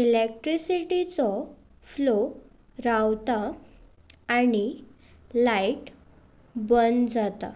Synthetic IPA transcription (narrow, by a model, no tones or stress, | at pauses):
ilek̚ʈɾisiʈit͡sɔ | flo | ɾawt̪a | añi | laiʈ | bənd͡zat̪a̰